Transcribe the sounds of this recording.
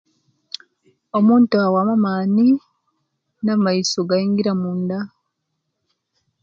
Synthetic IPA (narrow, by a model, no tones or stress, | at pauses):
omuːntuawamamaːni | namaisoɡaiːŋɡiɾamuːnda